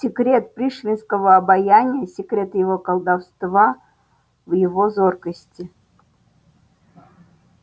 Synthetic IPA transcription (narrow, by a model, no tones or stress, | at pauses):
sʲɪkɾʲe̞t̪̚pɾʲiʂvʲɪnskəvəɐbɐjanʲɪjəsʲɪkɾʲe̞t̪jɪvo̞kəlˠd̪ɐfst̪va | vjɪvo̞zo̞rkəsʲtʲɪ